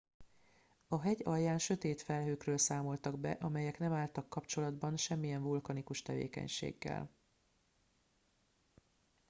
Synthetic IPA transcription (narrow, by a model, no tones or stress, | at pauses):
ɒɦɛɟɒjːaːnʃø̞t̪eːt̪fɛlɦøːkrøːlsaːmo̞lt̪ɒɡbɛ̰ʔɒmɛjɛknɛmaːlt̪ɒkːɒpt͡ʃo̞lɒd̪bɒnʃɛmːijɛɱvulkɒnikuʃt̪ɛvḛːkɛ̰ɲʃḛːɡːɛ̰l